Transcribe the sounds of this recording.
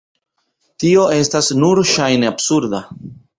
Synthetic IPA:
tio̞e̞stasnuɾʃajneabsuɾda

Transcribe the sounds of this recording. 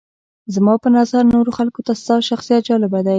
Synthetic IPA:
zmɑpənazaɾnoɾoxalkot̪ast̪ɑʃaxsijat̪̚d͡ʒɑlɪbad̪aj

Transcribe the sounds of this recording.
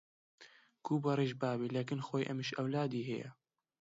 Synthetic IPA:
kuːbɑɾeʒbaːbilekɪnxoːjʔɛmɪʃɐwlaːd̪iːɦɛjɛ̰

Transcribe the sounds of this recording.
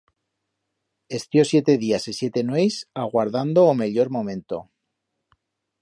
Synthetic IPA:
e̞st̪jo̞sje̞t̪e̞ðiasisjet̪e̞nwejsaɣwaɾðand̪oːme̞ʎo̞ɾmõ̞mẽ̞nt̪o̰

